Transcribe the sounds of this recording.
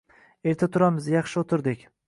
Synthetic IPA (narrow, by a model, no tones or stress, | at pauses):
e̞ɾt̪ʰat̪ʰʊɾamɪzjɑχʃɪot̪ʰɪɾd̪ɪkʲ